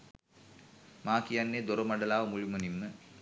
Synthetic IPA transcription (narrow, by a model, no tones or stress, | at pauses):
maːkijanːeːd̪oɾəmɐɖəlaːʋəmuɻimənimːə